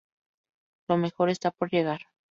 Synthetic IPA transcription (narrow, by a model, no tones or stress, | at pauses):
lomexo̞ɾe̞st̪apoɾjeɣaɾ